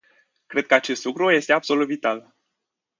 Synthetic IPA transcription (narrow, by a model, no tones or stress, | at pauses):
kɾe̞d̪̚kəat͡ʃe̞st̪lukɾuje̞st̪e̞abso̞lut̪vit̪al